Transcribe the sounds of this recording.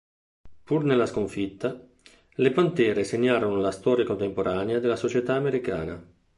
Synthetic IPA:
purnelːaskoɱfit̪ːa | lepant̪ɛːɾeseɲːaːɾonolast̪ɔːɾjakont̪empoɾʔaːnead̪elːasot͡ʃet̪aːmeɾika̰ːna̰

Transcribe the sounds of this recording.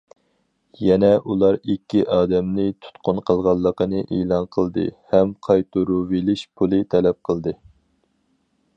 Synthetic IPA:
jɛnɛʔulˠɑɾikʲʰːiʔɑːd̪ɛmnɪt̪ʰu̥t̪qʰʊnqʰəlˠʁɑlˠːəqənɨʔeːlˠɑnqʰəlˠd̪ɨ̰hɛmqʰɑjt̪ʰuɾuvelɪʃpʰulˠɨt̪ʰɛlɛp̚qʰəlˠd̪ɨ

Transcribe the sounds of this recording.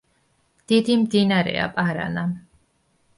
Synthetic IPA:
d̪̥id̪imd̪inaɾɛ̰a̰pʼaɾa̰na

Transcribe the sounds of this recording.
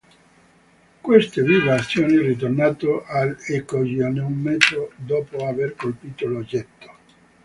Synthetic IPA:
kwest̪eviːvaat̪sːjoːnirit̪̬ornaːt̪oʔalekoʒioneumːɛzod̪ɔːpoaverkolpiːt̪olod͡ʒɛt̪ːo̥

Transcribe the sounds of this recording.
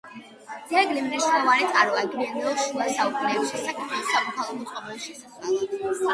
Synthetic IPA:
d̪zɛɡlimɾɛʃnɔvaɾit̪sʼaɾɔad̪ɾiɛniɔʃulasaukʰulɛːbisʃɛsakʰɛisamɔkʰalˠɔmɔt̪sʼqʼɔbɛliʃɛsaswalɔ

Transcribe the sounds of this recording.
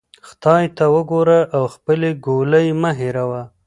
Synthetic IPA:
xt̪ɑjt̪awəɡoɾaʔawxpəleɡoləjmaɦeɾawa

